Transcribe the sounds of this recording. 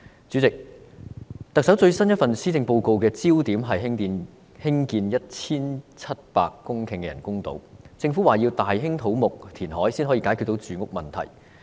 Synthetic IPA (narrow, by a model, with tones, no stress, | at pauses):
t͡syː˨˥t͡sɪ˨k̚ | t̪ɐ˨k̚sɐ˨˥wt͡sɵ˧ɥsɐ˥njɐ˥t̚fɐ˨˩nsiː˥t͡sɪ˧ŋpo˧wko˧wkɛː˧t͡siː˥wt̪iː˨˥mɦɐ˨jɦɪ˥ŋt̪iː˧n | hɪ˥ŋkiː˧njɐ˥t̚t͡sʰiː˥nt͡sʰɐ˥t̚pa̰ː˧kːʊ˥ŋkʰɪ˨˩ŋkɛ˧jɐ˨˩nkʊ˥ŋt̪o̰˨˥wt͡sɪ˧ŋfuː˨˥waː˨jiː˧wt̪aː˨jɦɪ˥ŋt̪ʰo˨˥wmʊ˨k̚t̪ʰiː˨˩nɦɔː˨˥jsiː˥nɦɔː˨˧˥iː˧˥kaː˨˥ky˧t̪̚wt͡syː˨˩ŋʊ˥k̚mɐ˨nt̪ʰɐ̰˨˩j